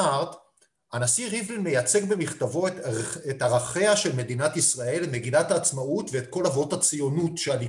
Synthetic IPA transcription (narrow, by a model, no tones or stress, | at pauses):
aʁt | anasiʁivime̞jat͡se̞ɡbe̞miχtavo̞etaʁaχeaʃe̞lme̞dinatisʁae̞lme̞ɡinathaːt͡smautve̞ːtko̞lavo̞that͡sijo̞nutʃeali